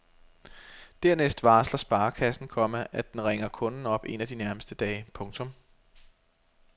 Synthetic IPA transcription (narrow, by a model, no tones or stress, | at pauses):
d̥æɐ̰nesd̥ʋɑ̈ːslɐsb̥ɑ̈ːkʰæsn̩kʰɒ̽məʔæd̥enʁeŋɐkʰɔ̽nn̩ɒ̽b̥e̝̰næd̥inæɐməsd̥əd̥ɛːɪpʰɔ̽ŋt͡sʰɔ̽m